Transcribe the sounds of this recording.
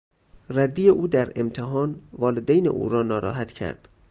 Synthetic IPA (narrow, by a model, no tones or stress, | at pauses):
ræd̪ːijeʔuːd̪æɾemt̪ʰeɦɒːnvɒːled̪ejnḛʔṵːɾɒːnɒːɾɒ̰ːɦæt̪ʰcʰæ̰ɾd̪̥